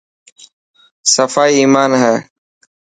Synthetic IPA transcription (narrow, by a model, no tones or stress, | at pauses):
səfaːiːiːmaːnɦɛː